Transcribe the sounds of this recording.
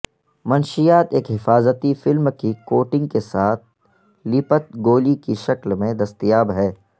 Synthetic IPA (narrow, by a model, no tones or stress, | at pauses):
mɐnʃijaːt̪eːkɦɪfaːzət̪ifɪlmkikoːʈɪ̃ŋɡ̚kesaːt̪̚ʰ | lɪpət̪̚ɡoːlikiʃɐklmẽd̪ɐst̪ijaːbɦɛː